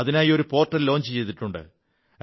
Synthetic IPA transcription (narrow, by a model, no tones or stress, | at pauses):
ɐðinaːjio̞ɾupo̞ːrʈːɐllːo̞ːɲt͡ɕɨt͡ɕe̞jt̪iʈːuɳɖɨ̰